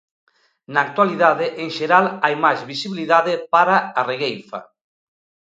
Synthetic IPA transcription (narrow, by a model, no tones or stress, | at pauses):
naːk̚t̪waliðaðɪʔeŋʃeɾalajmajzβisiβiliðaðɪpaɾaareɣejfa̰